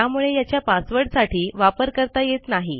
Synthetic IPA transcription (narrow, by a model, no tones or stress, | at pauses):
jamuɭejat͡ɕjapasʋəɽsaʈiːʋapəɾkəɾt̪ajet̪naɦi